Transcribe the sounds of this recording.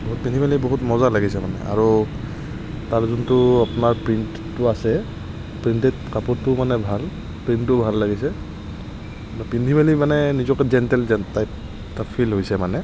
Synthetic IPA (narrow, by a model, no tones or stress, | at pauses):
boɦut̚pindʱibaliboɦutmɔzalaɡisɛmanɛ̰ʔa̰ɹu | taɹzuntʊapʊnaɹpɹint | tʊasɛ | pɹintɛtkapɔtːʊmanɛbʱal | pɹinttʊbʱalːaɡisɛ | npindibalimanɛnizɔkɛzɛntɛlzɛtajp | tapʰilɦojsɛmanɛ